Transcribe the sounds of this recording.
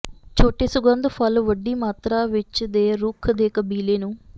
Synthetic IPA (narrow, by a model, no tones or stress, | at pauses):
t͡ʃoːʈːeːsʊɡɐnd̪pʰɐlʋɐɖːiːmaːt̪ɾaːʋɪt͡ʃːɐd̪eːɾuːkʰd̪eːkɐbiːleːnu